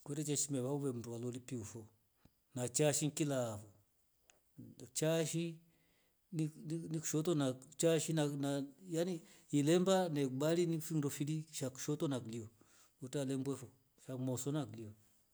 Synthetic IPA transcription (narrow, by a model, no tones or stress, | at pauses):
kɛtɛt͡ʃɛʃimɛβauβɛmuɾualɔlipiufɔ | nat͡ʃaʃiŋkilafɔ | t͡ʃaʃi | ninniku̥ʃɔtɔnat͡ʃaʃinanajaniilɛmbanɛbalinifiŋɾɔfiliʃaku̥ʃɔtɔnakliɔ | ɔtalɛmbwɛfɔ | ʃamɔsɔnakliɔ